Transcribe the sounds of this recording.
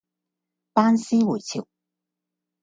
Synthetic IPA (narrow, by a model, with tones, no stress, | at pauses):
paː˥nsiː˥wu˨˩t͡sʰi˨˩w